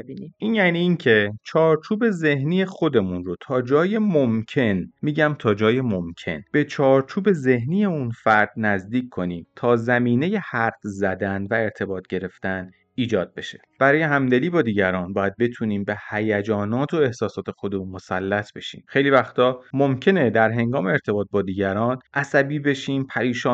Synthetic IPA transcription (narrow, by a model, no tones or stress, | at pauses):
ebiniʔiːnjæːniːiːncʰe̞t͡ʃʰɒːɾt͡ʃʰuːbe̞ze̞hniːjexo̞d̪e̞munro̞t̪ʰɒːd͡ʒɒːje̞momcʰe̞nmiːɟæmt̪ʰɒːd͡ʒɒːjemo̞mcʰe̞̰nb̥e̞t͡ʃʰɒːɾt͡ʃʰuːbe̞ze̞ɦniːje̞unfæɾd̪̥̚næzd̪iːcʰkʰːo̞niːmt̪ʰɒːzæmiːne̞je̞hæɾt̪zæd̪ænvæe̞ɾt̪ʰe̞bɒːt̪ʰɟe̞ɾe̞ft̪æn | iːd͡ʒɒːd̪̚be̞ʃe̞̥b̥æɾɒːje̞ɦæmd̪e̞liːbɒːd̪iːɟæɾɒːnbɒːjæd̪̚be̞t̪ʰuniːmbe̞hæjæd͡ʒɒːnɒːt̪ʰo̞ehsɒːsɒːt̪ʰe̞xo̞d̪emunmo̞sælːæt̪ʰbe̞ʃḭːmxe̞jliːvæxt̪ʰɒːmo̞mcʰe̞ne̞d̪æɾɦe̞ŋɡɒːmeeɾt̪ʰe̞bɒːt̪̚bɒːd̪iːɟæɾɒːnʔæsæbiːbe̞ʃiːmpʰæɾiːʃɒː